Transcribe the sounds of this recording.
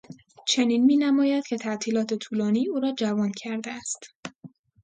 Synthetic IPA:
t͡ʃʰe̞niːnmiːnæmɒːjæd̪̥̚cʲʰe̞t̪ʰæʔt̪ʰiːlɒːt̪ʰe̞t̪ʰuːlɒːniːuːɾɒːd͡ʒævɒːncʰæɾd̪eæst̪

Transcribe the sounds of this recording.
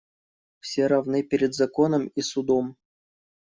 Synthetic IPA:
fsʲeɾɐvnɨpʲɪɾʲɪd̪zɐkonəmisʊd̪om

